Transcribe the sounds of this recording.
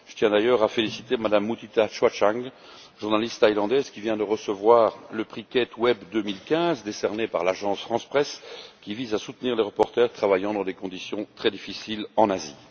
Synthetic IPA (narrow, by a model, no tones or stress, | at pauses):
ʒət̪jɛ̃d̪ajœːʁafelisit̪emad̪amːut̪it̪aʃwat͡ʃaŋ | ʒuʁnalist̪ːajlɑ̃d̪ɛzkʲivjɛ̃d̪əʁəsəvwaːʁləpχikʲɛt̪wɛbd̪ømilkʲɛ̃zd̪esɛʁnepa̰ʁlaʒɑ̃sfχɑ̃spχɛskʲivizasut̪niʁleʁəpɔʁt̪ɛʁt̪χavajɑ̃d̪ɑ̃d̪ekɔ̃d̪isjɔ̃t̪χɛd̪ifisilɑ̃nazi